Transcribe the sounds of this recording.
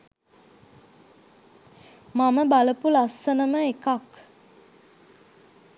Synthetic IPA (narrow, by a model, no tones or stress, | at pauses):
maməbaləpulasənəməekak